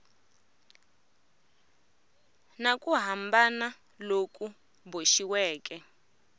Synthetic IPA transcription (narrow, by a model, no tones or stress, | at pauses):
nakʼuɦambana | lokʼu | boʃiwɛːk̬ʼɛ